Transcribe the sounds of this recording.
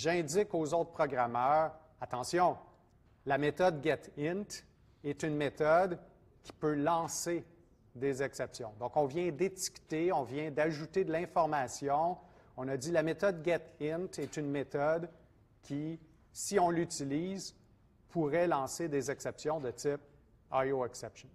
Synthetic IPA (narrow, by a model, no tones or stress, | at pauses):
ʒɛ̃d͡zɪkozoʊt̪χpʁɔɡʁamœːʁ | at̪ɑ̃sjɔ̃ | lamet̪ɔd̪̚ɡʲɛt̪ɪ̃nt̪ | ɛt̪ynmet̪ɔd̪ | kʲʰi̥pølɑ̃se | d̪ezɛksɛpsjɔ̃d̪ɔ̃kɔ̃vjɛ̃d̪eti̥kt̪eɔ̃vjɛ̃d̪aʒut̪ed̪lɛ̃fɔʁmasjɔ̃ɔ̃nʌd͡zilamet̪ɔd̪̚ɡʲɛt̪ɪ̃nt̪ɛt̪ynmet̪ɔd̪ | kʲi | siɔ̃lyt͡siliːz | pʰuʁɛlɑ̃sed̪ezɛksɛpsjɔ̃d̪ət͡sɪp̚ | ajoɛksɛpʃɔn